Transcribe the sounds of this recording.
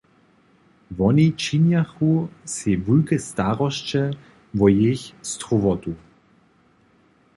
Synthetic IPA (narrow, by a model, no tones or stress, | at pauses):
vɔnit͡ʃinjaxusevulkɛstaʁɔʃt͡ʃɛ | vɔjeçst̪ʁuvɔt̪u